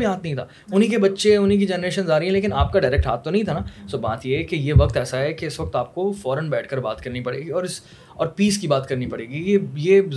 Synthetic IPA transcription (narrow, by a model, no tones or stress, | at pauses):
biɦaːt̪nɐɦĩt̪ʰa̰ː | ʊnɦĩkebɐtːʃeʊnĩk̬id͡ʒɛːnɾeːʃənzaːɾəɦɛ̃leːk̬ɪnaːp̚kaɖaːɪɾɛːk̚ʈɦaːt̪t̪onɐɦĩt̪ʰanaːsoːba̰ːt̪jeɦɛkejeʋɐkt̪ɛːsaɦɛkeɪsʋɐk̚t̪aːp̚kofɔːɾənbɛːʈʰkəɾbaːt̪kɐɾnipɐɽḛːɡiɔːɾɪs | ɔːɾpiːskibaːt̪kɐɾnipɐɽeːɡijejeːz